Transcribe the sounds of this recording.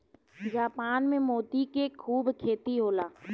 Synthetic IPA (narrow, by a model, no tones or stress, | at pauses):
d͡ʒaːpaːnmẽmoːt̪ikekʰuːbkʰeːt̪iɦoːlaː